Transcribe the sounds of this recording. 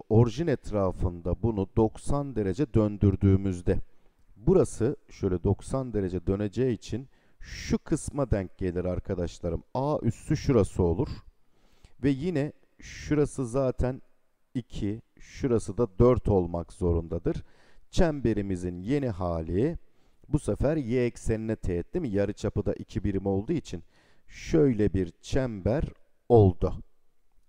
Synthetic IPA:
o̞ɾʒinɛt̪ʰɾaːfɯnd̪abunud̪o̞ksand̪e̞ɾe̞d͡ʒɛd̪ønd̪yɾd̪yːmyzd̪ɛ | buɾasɯʃø̞jlʲɛd̪o̞ksand̪e̞ɾe̞d͡ʒɛd̪ø̞ne̞d͡ʒɛit͡ʃʰin | ʃukʰɯsmad̪æɲc̚ɟe̞lʲiɾaɾkʰad̪aʃlˠaɾɯmaːʔyst̪ʰyʃuɾasɯo̞lˠuɾ̥ | vɛjinɛ | ʃuɾasɯzaːt̪ʰæn | icʰi | ʃuɾasɯd̪ad̪øɾt̪ʰo̞lˠmakzo̞ɾund̪ad̪ɯɾ̥t͡ʃʰæmbe̞ɾimizinje̞niɦaːlʲi | busɛfæɾjɛːcse̞ninɛt̪ʰejɛt̪ʰːimijaɾɯt͡ʃʰapɯd̪a̰ʔicʰibiɾimo̞lˠd̪uit͡ʃʰin | ʃøjlʲɛbiɾt͡ʃʰæmbæɾ | o̞lˠd̪ʊ

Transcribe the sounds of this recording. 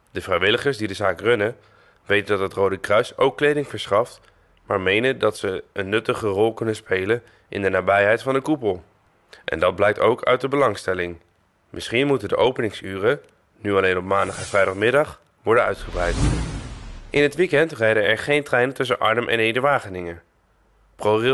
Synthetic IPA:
d̥əvrɛjʋɪləχəɹsdidəzaːkrɵnə | ʋejtəndɑtɦətrowdəkrœɥsowkːlejdɪŋvəɹsχɑft | maːɹmejnəndɑtsəənːɵtəχərɔlˠkɵnənspejlən | ʔɪ̰ndənaːbɛjɦɛjtfɑndəkupəlˠ | ʔɛ̰ndɑd̚blɛjk̚towkʰœ̰ɥt̚dəbəlɑŋstɛlɪŋ | mʔɪsχinmutəndə̰ʔowpənɪŋsyːrə | nyɑlejnɔpmaːndɑχɛ̃nv̥rɛjdɑχmɪdɑχ | ʋɔɹdənœ̰ɥtχəbrɛjt | ʔɪnɦətʋikɛntrɛjdəɛɹχejntrɛjnəntɵs̬ənʔɑ̰ɹnəmʔɛ̰nejdəɹʋaːχənɪŋə | pror

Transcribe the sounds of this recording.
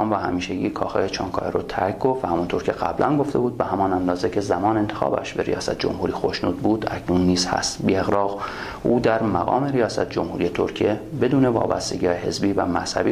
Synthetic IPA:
mvæhæmiːʃeɟiːkʰɒ̰ːxeet͡ʃʰɒ̰ːŋkʰɒ̰ːjeɾot̪ʰæɾkɡoɾvæhæmunt̪ʰoːɾcʰe̞ɣæ̰blʔænɡoft̪e̞buːd̪̚behæmɒːnænd̪ɒːzecʰe̞zæmɒːnent̪ʰexɒ̰ːbæ̰ʃbe̞ɾḭjɒːsæt̪ʰed͡ʒo̞̰mhuːɾiːxo̞ʃnuːd̪̚buːd̪æcʰnunːiːz̥hæ̰st̪bieɣɾɒːɣ | uːd̪æɾmæɣɒ̰ːme̞ɾijɒːsæt̪ʰe̥d͡ʒo̞mhuːɾije̞t̪ʰoɾcʰijebe̞d̪uːne̞vɒ̰ːbæ̰st̪e̞ɡiːhɑːjehe̞̰zbiːvæmæshæ̰bi

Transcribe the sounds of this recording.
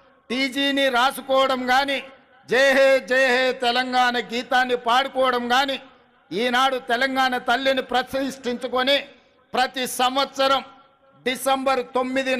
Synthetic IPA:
ʈiːd͡ʒiːniɾaːsukɔːʋɐɽɐmɡaːni | d͡ʒeːɦeːd͡ʒeːɦeːt̪ɛlɐŋɡaːɳɐɡiːt̪aːnːipaːɽukɔːʋɐɽɐmɡaːni | iːnaːɽut̪ɛlɐŋɡaːɳɐt̪ɐlːinipɾɐsɐɦiʂʈiɲt͡ʃukoni | pɾɐt̪isɐmʋɐt̪sɐɾɐm | ɖisɐmbɐɾt̪o̞mːid̪i

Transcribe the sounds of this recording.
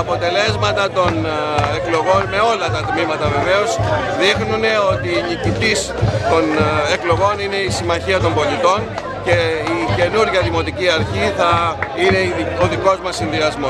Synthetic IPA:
ɐpo̞t̪e̞le̞zmɐt̪ɐt̪o̞n | e̞klo̞ɣo̞nme̞o̞lɐt̪ɐt̪mimɐt̪ɐve̞ve̞o̞z | ðixnune̞o̞t̪iːnicit̪is | t̪o̞ne̞klo̞ɣo̞nine̞isimɐçiɐt̪o̞mbo̞lit̪o̞ɲ | ce̞ice̞nuɾʝɐðimo̞t̪iciɐɾçiθɐine̞o̞ðiko̞zmɐsinðiɐzmo̞

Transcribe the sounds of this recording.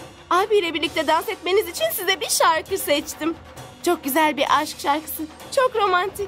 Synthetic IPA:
abijlʲɛbiɾlʲic̚t̪ʰɛd̪ansɛt̪me̞nizit͡ʃʰinsizɛbiʃaɾkʰɯsɛt͡ʃt̪ʰim | t͡ʃʰo̞k̚ɟyzælʲbiɾʔaʃkʃaɾkɯ̥sɯz | t͡ʃʰo̞kɾo̞mant̪ʰic

